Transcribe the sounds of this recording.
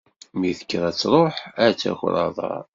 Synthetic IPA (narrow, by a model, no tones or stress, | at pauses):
miθə̥kːɾˤæt͡sːɾˤoħæt͡sːæ̰xɾˤɑðˤɑ̰